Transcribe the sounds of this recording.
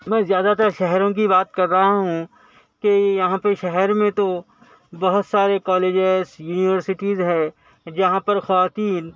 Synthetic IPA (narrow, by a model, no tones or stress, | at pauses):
mɛ̃ːzjaːd̪at̪əɾʃɛɦɾõk̬ibaːt̪̚kɐɾːɐɦaɦũ | kejɐɦãpɐʃɛɦɛɾmẽt̪o | bɐɦʊt̪saːɾekɔːleːd͡ʒezjuːnɪʋəɾsɪʈizɦɛ̃ː | d͡ʒɐɦãpɐɾxɐʋaːt̪iːn